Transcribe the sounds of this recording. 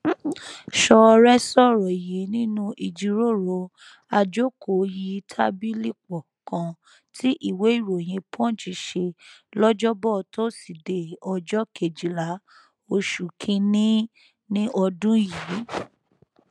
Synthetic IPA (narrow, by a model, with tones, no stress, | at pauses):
ʃɔ˧ɾɛ˦sɔ˦˨ɾɔ˨ji˨˦nĩ˦nũ˦ʔi˨d͡ʒi˧ɾo˦˨ɾo˧ | a˧d͡ʒo˦ko˨ji˧tʰa˦bi˦li˦˨k͡pɔ˨kã˧ | tʰi˦ʔi˦˨we˨˦i˦˨ɾo˨j̃ĩ˧pʰɔ̃˦˨d͡ʒi˨˧˦ʃe˧lɔ˦d͡ʒɔ˦bɔ˦˨tʰo˦si˨de˨ɔ˧d͡ʒɔ˦kʰe˨d͡ʒi˨la˨˦ | o˧ʃu˨kʰĩ˧nĩ˦ | nĩ˦ʔɔ˧dũ˦ji˨˦